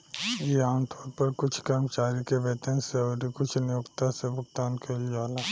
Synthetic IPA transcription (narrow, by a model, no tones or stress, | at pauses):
jeaːnt̪ʰɔːɾpɐɾkʊt͡ʃʰkɐɾmt͡ʃaːɾikeʋet̪ənseɔːɾikʊt͡ʃʰnɪjʊkt̪asebʊkt̪aːnkeliaːlaː